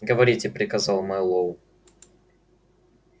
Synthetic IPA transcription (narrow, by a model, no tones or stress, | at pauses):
ɡəvɐɾʲitʲɪpɾʲɪkɐzɑlˠmɐjlˠov